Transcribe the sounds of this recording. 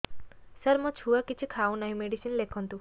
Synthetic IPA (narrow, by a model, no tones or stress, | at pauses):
səɾmɔt͡ʃʰuakit͡ʃʰikʰaunaɦĩmeɽisinlekʰɔnt̪u